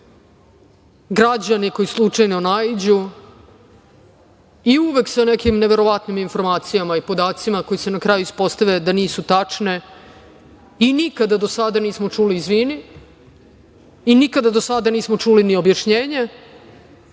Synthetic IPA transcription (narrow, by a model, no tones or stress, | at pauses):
ɡɾad͡ʑaniko̞jislˠut͡ʂajnonaid͡ʑu | iuʋe̞ksanekimneʋe̞ɾo̞ʋat̪niminfo̞ɾmaːt̪sijamaipo̞d̪aːt̪simako̞jise̞nakɾaːjuispo̞st̪aʋe̞d̪aniːsut̪at͡ʂne̞ | inikad̪ad̪o̞sad̪aniːsmo̞t͡ʂuːliːzʋiːni | inikad̪ad̪o̞sad̪aniːsmo̞t͡ʂulinio̞bjaʃɲeːɲe